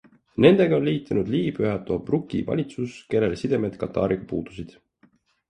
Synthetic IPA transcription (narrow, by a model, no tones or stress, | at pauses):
ne̞nd̪̥e̞ɡɑo̞nliːt̪ːˑenud̪liːpyɦɑt̪ːˑoɑbrukːˑḭvɑ̰lʲit̪suske̞lːelesid̪̥e̞med̪̥kɑt̪ːˑɑ̰ːɾiɡ̥ɑpuːd̪̥u̥sid̪̥